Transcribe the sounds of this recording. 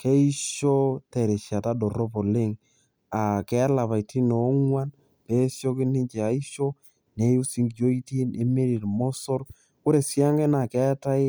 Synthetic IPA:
ke˦i˦ʃo˦tɛ˨ɾe˨ʃja˨ta˦dɔ˨ɾɔ˦po˨le˦ŋ | a˨kɛ˨˦la˨pa˨i˨tʰi˦no˨˦ŋwa˦n | pe˨˦sjo˦k̬ɪ˦nɪ˦ɲt͡ʃe˨a˨i˦ʃo˦ | ne˨˦ju˦si˦ŋɡjo˦i˦ti˦ne˨me˦ɾi˨ɾmɔ˦sɔ˦ɾ | kʊ˦ɾe˨sja˦ŋɡe˦na˨kɛ˦ta˦ɪ˦

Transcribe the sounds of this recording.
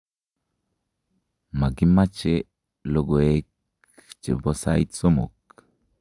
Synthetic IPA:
ma˨ɡi˦ma˦t͡ʃe | lo˦ɡo˨ek | t͡ʃḛ˨bo˦sajt̪so˦mo̰˨k

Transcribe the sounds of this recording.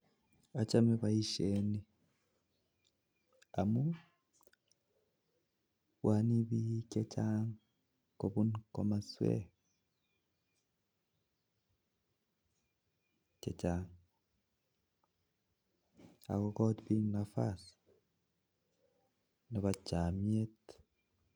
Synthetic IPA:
a˨t͡ʃa˦meβai˦ʃeni˦ | a˨mu | wʔani˦βi˦ce˦t͡ʃaŋ | koβunko̰ma˨swḛ˦ | t͡ʃe˨t͡ʃa˨ŋ | a̰˨ko˨kɔ˦dbi˦ŋnafa˦s | no˨βa˨t͡ʃa˨mie˦t

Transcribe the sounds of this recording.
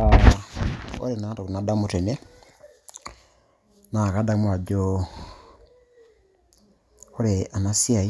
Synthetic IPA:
a | o̰˦ɾe˨na˦to˨ku˨na˨˦da˦mu˦te˨ne˦ | na˨ka˦da˦mwa˨ɟo˦ | o˦ɾea˨na˦si˦a˨i˦

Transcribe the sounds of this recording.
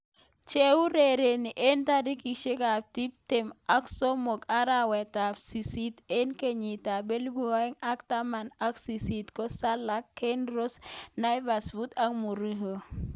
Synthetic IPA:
t͡ʃe˦u˦ɾe˨ɾe˨ni˨ʔe˦nta˦di˦ki˨ʃe˦ka˨ti˦p̚tɪ˨ma˦kso˦mo˨ka˦ɾa˦wɛ˨ta˨si˨si˦te˦nke˦ɲi˨ta˨be˦lbu˦a˦i˦ŋa˦kta˦ma˨na˦ksi˨si˨tkɔ˦sa˦la˦kːe˦nɾo˦sna˦jva˨svu˦ta˦kmu˨ɾi˦ɦo˨

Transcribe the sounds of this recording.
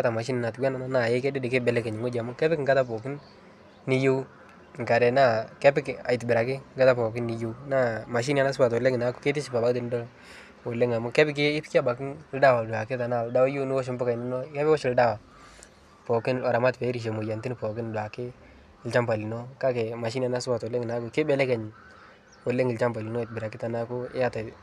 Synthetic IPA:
ka˦ta˨ma˨ʃ̬i˦nɪ˨na˨tɡa˦na˦na˦na˨jɛ˦kɛ˦dɪ˦dɪ˨kɪ˦bɛ˨lɛ˦kɛ˨ɲɪ˨ŋo˦d͡ʒa˨mʊ˦kɛ˦pɪ˦kŋɡa˦ta˦pɔ˨kɪ˦nː | i˦ju˦ | ŋ˨ka˨ɾɛ˨na˦kɛ˦pɪ˦ka̰˨jtbɪ˨ɾa˨kɪ˦ŋɡa˦ta˦pɔ˨k̬ɪ˦nːi˨ju˦na˦ma˨ʃ̬i˦n˦a˦na˦s̬pa˨twɔ˨lɛ˦ŋɪ˨na˨˦kʊ̥˦ke˦t̬ɪ˦si˨pa˨ba˨ktɪ˦n˦dɔ˦ | ɔ˨lɛ˦ŋa˨mʊ˦kɛ˦pɪ˦k̬ɪ˦ɪ˦pka˦ba˨kɪ˦nlda˦wa˨dʊ˨a˨kɪ˦ta˨na˦˨lda˦wa˦ju˦nɪ˦ɔ˦ʃ̬ɪ˦mbʊ˦ka˨jnɪ˦nɔ˦kɛ˦pɪ˦wɔ˦ʃɪ˨lda˦wa˨ | pɔ˨kɪ˦na˨ɾa˨ma˦tpɛ˨˦ɾi˨ʃ̬ɛ˨mo˨ja˨ntɪ˦n˦pɔ˨kɪ˦nda˨kɪ˦ | ɪ˨lt͡ʃa˦mba˨li˨nɔ˦ka˦kɛ˨ma˨ʃ̬i˦n˦a˨na˦sba˨tɔ˨lɛ˦ŋɪ˨na˦kʊ˨kɪ˦bɛ˦lɛ˦kɛ˨ɲ | wɔ˨le˦ŋɪ˨lt͡ʃa˦mba˨li˨nɔ˦˨t̚bɪ˨ɾa˨kɪ˦ta˨na˦kʊ˦ɪ˦ja˦ta˨

